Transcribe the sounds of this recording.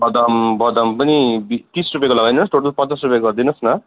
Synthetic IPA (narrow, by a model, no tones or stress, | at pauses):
bʌd̪ʌmbʌd̪ʌmpʌnibit̪isrupjakolʌɡajnnʌsʈoʈʌlpʌasrupjakɡʌrd̪inʌsnʌ